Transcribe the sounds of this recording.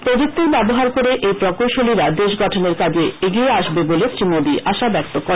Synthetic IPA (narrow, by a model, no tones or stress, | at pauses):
pod̪uk̚t̪ːeɾbɛboɦaɾkoɾeʔejpɾɔkolʃoliɾad̪eʃɡɔʈʰoneɾkad͡ʑeeɡieaʃbebolesɾimod̪iʔaʃabɛk̚t̪okːɔɾe